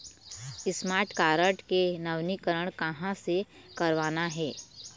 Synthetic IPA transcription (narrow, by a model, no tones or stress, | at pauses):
ɪsmaːɾʈkaːɾəʈkenɐʋnikəɾəɽ̃kɐɦãse | kɐɾʋaːnaɦɛː